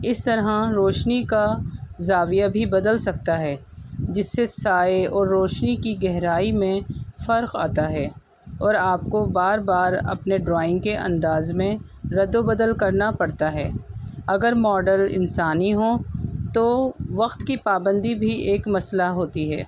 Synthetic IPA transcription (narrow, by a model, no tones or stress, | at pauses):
ɪst̪ɐɾɦãɾoːʃnikazaːʋijabʱibɐd̪əlsɐk̚t̪aɦɛːd͡ʒɪsːesaːeɔːɾːoːʃnikiɡɛɦɾaːimẽfɐɾqa̰ːt̪aɦɛː | ɔːɾaːpkobaːɾbaːɾɐ̰pneɖɾaːɪ̃ŋɡkeʔɐ̰̃nd̪aːzmẽ | ɾɐd̪obɐd̪əlkɐɾnapɐɽt̪aɦɛːɐɡəɾmɔːɖəlɪ̰̃nsaːniɦõt̪oʋɐqt̪kipaːbə̃nd̪ibʱiʔeːkmɐslaɦoːt̪iɦɛ̰ː